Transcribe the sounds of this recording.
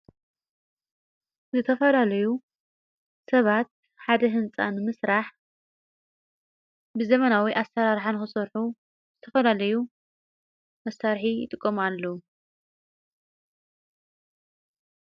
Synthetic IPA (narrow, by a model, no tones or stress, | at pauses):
zɨt̪ʰɐfɐlalɐju | sɐβat̪̚ | ħad̪ɐɦɨnt͡sʼa̰nɨmɨsɾaħ | bɨzɐmɐnawiʔasːɐɾaɾħanxɨsɐɾħu | zɨt̪ʰɐfɐlalɐju | mɐsːaɾħijɪ̰t̪ʼɨkʼːɐmalːɐwu